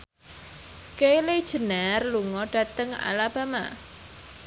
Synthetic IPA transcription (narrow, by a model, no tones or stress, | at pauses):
kejled̥ʒ̥ə̤narluŋɔɖ̥a̤t̪əŋa̰lab̥ama̰